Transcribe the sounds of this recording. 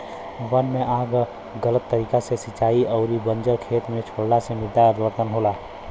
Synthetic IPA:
ʋənmẽʔaːɡ | ɡələt̪ːəɾiːkasesɪt͡ʃaːiʔɔʊɾibənd͡ʒəɾkʰeːt̪mẽt͡ʃʰoɽlasemɪd̪ʱːaəd̪ʋəɾt̪ənɦoːla

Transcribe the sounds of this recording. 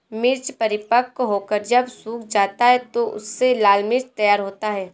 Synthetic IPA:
mɪɾt͡ʃpɐɾɪpəkɦoːkəɾd͡ʒɐbsuːkd͡ʒaːt̪aɦɛt̪oʔʊ̰sːelaːlmɪɾt͡ʃt̪ɐjaːɾɦoːt̪aɦɛː

